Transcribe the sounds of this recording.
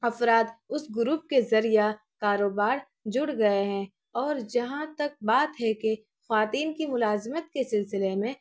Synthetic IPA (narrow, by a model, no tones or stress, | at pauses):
ɐfɾaːt̪ʊsɡʊɾuːp̚kezɐɾija | kaːɾoːbaːɾ | d͡ʒʊɽɡɐeɦɛ̃ | ɔːɾd͡ʒɐɦãt̪ɐk̚baːt̪ɦɛke | xʋaːt̪iːnkimʊlaːzɪmət̪̚kesɪlsɪlemẽ